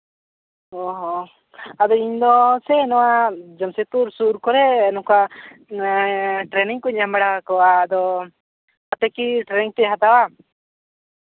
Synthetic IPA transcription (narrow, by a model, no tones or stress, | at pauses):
ɔɦɔ | ad̪ɔiɲd̪ɔsɛnɔwad͡ʒəmset̪uɾsuɾkɔɾɛːnɔka | ʈɾɛniŋkuɲamɛɽakɔaːd̪ɔ | at̪ɛkiʈɾɛniŋt̪ɛɦat̪awa